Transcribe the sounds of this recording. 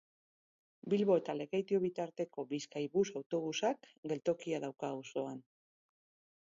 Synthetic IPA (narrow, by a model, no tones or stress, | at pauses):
bilβo̞e̞t̪ale̞ɣejt̪ioβit̪aɾt̪e̞ko̞βiskajβusawt̪o̞β̞usak | ɡe̞lt̪o̞kiaðawkauso̞an